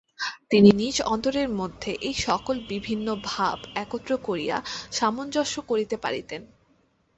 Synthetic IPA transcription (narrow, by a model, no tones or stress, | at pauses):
t̪ininid͡ʑɔnt̪oɾeɾmod̪ʱːeʔejʃɔkolbibʱinːobʱabɛkot̪ːɾokoɾija̰ʃamond͡ʑɔʃokoɾit̪epa̰ɾit̪en